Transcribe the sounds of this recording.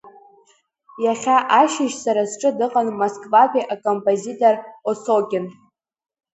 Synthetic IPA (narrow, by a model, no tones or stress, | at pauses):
jaχʲaʔaʃɪʃsaɾazʈ͡ʂʼɨdɨqʼanmoskʼvakʷʰʲʼiʔakʼompʼozitʼorosokʲʼɪn